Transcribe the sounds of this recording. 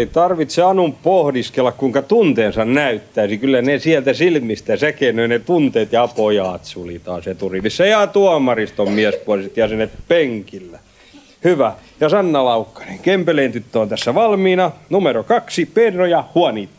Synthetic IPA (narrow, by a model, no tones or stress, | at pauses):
eit̪ɑrʋit̪seɑnumppohdiskelːɑkkuiŋkɑt̪unt̪eːnsɑnnæyt̪ːæisikylːænesiælt̪æsilmist̪æsækeːnøinet̪unt̪eːt̪jɑpojɑːt̪sulit̪ɑːsjet̪urilisːɑjɑːt̪uɑmɑrist̪ommiɛspuɑlsit̪jɑsenet̪peŋkilːæ | hyʋæjɑsɑnːɑlɑukːɑ̥neŋkempeleːnt̪yt̪ːøont̪æsːæʋɑlmiːnɑnumeɾokɑksipernojɑhuɑniːt̪ː